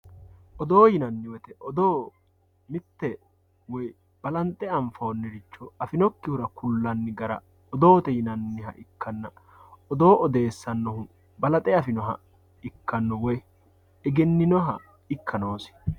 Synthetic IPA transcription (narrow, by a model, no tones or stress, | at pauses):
ʔɔd̪oːjɪnɐnːɪwɛt̪ɛʔɔd̪oː | mɪt̪ːɛ | wɔj | b̥ɐlɐnt̪ʼːɛɐɱfɐːnːɛɾɪt͡ʃːɔɐfɪnɔkːɪhʊɾɐkʊlːɐnːɪɡɐɾɐ̰ | ɔd̪o̞ːt̪ɛjɪnɐnːɪɦɐ̰ʔɪkːɐnːɐ | ɔd̪o̞ːʔɔd̪e̞ːsːɐnːɔhʊ | bɐlɐt̪ʼɛɐfɪnɔɦɐ̰ | ɪkːɐnːɔwɔj | ɛɡɛnːɪnɔɦɐ | ɪkːɐno̞ːsɪ̥